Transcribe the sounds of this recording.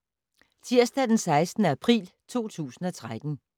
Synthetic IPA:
t͡sʰiɐ̰sd̥æd̥ensɑ̈ɪsd̥n̩əæpʰʁḭːlt͡sʰo̝̰ːt͡sʰṵːsn̩ɒ̽t͡sʰʁad̥n̩

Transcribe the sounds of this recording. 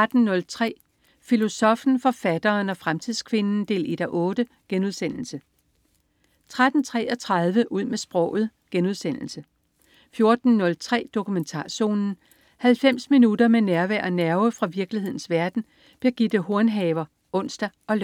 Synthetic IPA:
æd̥n̩nɔ̽lt͡sʰʁɛ̰ː | filo̝sɒ̽fn̩fɒ̽fæd̥ɐːnɒ̽fʁamt͡sʰiðˠskʰʋe̝nn̩d̥e̝̰ːlid̥æʔɔ̽ːd̥ə | ɡ̥enuðˠsen̰l̩sə | t͡sʰʁad̥n̩t͡sʰʁɛ̰ːɒ̽t͡sʰʁɑð̞ˠʋəʔuð̞̰ˠmesb̥ʁɒʊ̰ð̞̩ˠɡ̥enuð̞ˠsen̰l̩sə | fjo̝ɐd̥n̩ːɔ̽lt͡sʰʁɛ̰ːd̥o̝kument͡sʰɑ̰̈ːɕo̝̰ːnn̩ | hælfem̰sminud̥ɐmenæɐʋæɐ̰ɒnæɐʊəfʁɑ̈ʋiɐɡ̥lihe̝ð̰ˠn̩sʋæɐd̥n̩ | b̥iɐɡ̥id̥ɦo̝ɐnɦɛːʊɐ | ʔɔ̽n̰sd̥æɒ̽l

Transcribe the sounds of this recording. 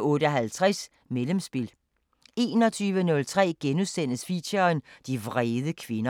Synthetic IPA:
ɔ̽ːɾ̥əɦælt͡sʰʁas | melemsb̥il | e̝̰ːnɒ̽t͡sʰyːʋənɔ̽lt͡sʰʁɛ̰ːɡ̥enuðˠsen̰əsfiɕɐnd̥iʋʁɛːðˠəkʰʋe̝nɐ

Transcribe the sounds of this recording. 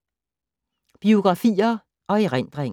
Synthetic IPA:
b̥io̝ɡ̥ʁɑ̈fḭːɐ | ʔɒ̽eʁen̰d̥ʁeŋ

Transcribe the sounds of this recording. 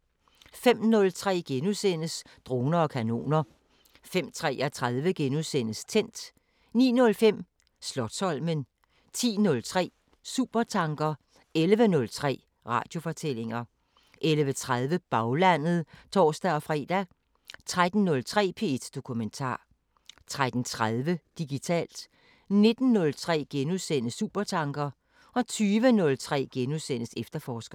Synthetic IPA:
fem̰nɔ̽lt͡sʰʁɛ̰ːɡ̥enusen̰əs | d̥ʁo̝ːnɐɒ̽kʰæno̝̰ːnɐ | fem̰t͡sʰʁɛ̰ːæt͡sʰʁaðˠʋəɡ̥enusen̰əst͡sʰen̰d̥ | nḭːnɔ̽lfem̰ | slɒ̽d̥sɒ̽l̰mən | t͡sʰḭːnɔ̽lt͡sʰʁɛ̰ː | sṵːb̥ɐt͡sʰɑ̈ŋɡ̥ɐ | elʋənɔ̽lt͡sʰʁɛ̰ː | ʁɑ̰̈ːd̥jo̝fɒ̽t͡sʰel̰e̝ŋɐ | ʔelʋət͡sʰʁaðˠʋəb̥ɑ̈ʊlæn̰ð̞̩ˠt͡sʰɒ̰ːsd̥æɒ̽fʁɛ̰ːd̥æ | t͡sʰʁad̥n̩nɔ̽lt͡sʰʁɛ̰ːpʰe̝ed̥d̥o̝kʰument͡sʰɑ̰̈ː | t͡sʰʁad̥n̩t͡sʰʁaðˠʋəd̥iɡ̥it͡sʰɛ̰ːld̥ | ne̝d̥n̩ːɔ̽lt͡sʰʁɛ̰ːɡ̥enuðˠsen̰əsṵːb̥ɐt͡sʰɑ̈ŋɡ̥ɐ | ɒ̽t͡sʰyːʋənɔ̽lt͡sʰʁɛ̰ːɡ̥enusen̰əsefd̥ɐfɒːsɡ̥ɐ

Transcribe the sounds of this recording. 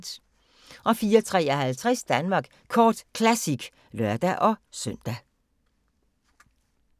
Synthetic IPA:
d̥ | ʔɒ̽fiːɐt͡sʰʁɛ̰ːɒhælt͡sʰʁɛsd̥ænmɑ̈ːɡ̥ | kʰɒ̰ːd̥kʰlæsiɡ̥ | lɶɐd̥æʔɒ̽sœn̰d̥æ

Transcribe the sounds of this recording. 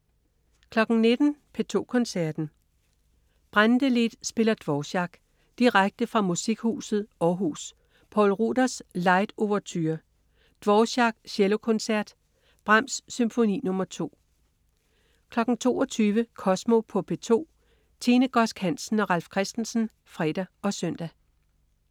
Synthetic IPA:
kʰlɒ̽ɡ̥n̩ne̝d̥n̩pʰe̝t͡sʰo̝̰ːkʰɒ̽nsæɐ̰d̥n̩ | b̥ʁand̥əle̝d̥sb̥e̝lɐd̥ʋɒɕɑ̈ɡ̥ | d̥iʁaɡ̥̚d̥əfʁɑ̈musiɡ̥hṵːsð̩ˠɒɦṵːs | pʰɒ̰ːlʁṵd̥ɐslɑ̈ɪd̥o̝ʋɐt͡sʰyːɐ | d̥ʋɒːɕɑ̈ɡ̥ɕelo̝kʰɔ̽nsæɐ̰d̥ | b̥ʁɑm̰sːymfo̝nḭːnɔ̽mɐt͡sʰo̝̰ː | kʰlɒ̽ɡ̥n̩t͡sʰo̝̰ːɒt͡sʰyːʋəkʰɒ̽smo̝pʰɔ̽pʰe̝t͡sʰo̝̰ː | t͡sʰeːnəɡ̥ɒ̽sɡ̥hæn̰sn̩ɒ̽ʁalfkʰʁɛsd̥n̩sn̩ | fʁɛ̰d̥æɒ̽sœn̰d̥æ

